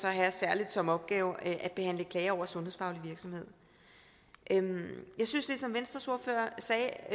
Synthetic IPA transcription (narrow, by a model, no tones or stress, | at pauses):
sɒ̽ɦæsæɐlid̥sɒ̽mɒ̽b̥ɡ̥ɛːʊʔæ̥b̥e̝ɦæn̰ləkʰlɛːɐɒʊ̰ɐsɔ̽nɦheð̰ˠfɑ̈ʊliʋiɐɡ̥sɒ̽mhe̝ð̞̰ˠ | ʔømjɑ̈ɪsynsl̥isɒ̽mʋensd̥ʁɐsuɐføɐsɛː